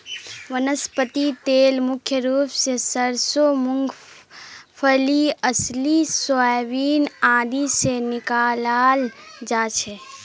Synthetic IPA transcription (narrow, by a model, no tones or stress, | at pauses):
ʋənəspət̪it̪eːlmʊkʰjəɾuːpsesəɾsomʊ̃ŋɡ | pʰəliəslisoajʋiːnãːd̪ʱisenɪkaːlaːld͡ʒaːt͡ʃʰe